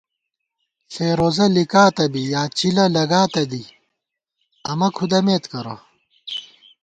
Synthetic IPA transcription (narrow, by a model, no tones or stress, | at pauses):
ɬeːɾoːzɐlikaːt̪ɐbijaːt͡ɕilɐlɐɡaːt̪ɐd̪i | ɐmɐkʰud̪ɐmeːt̪kɐɾo̰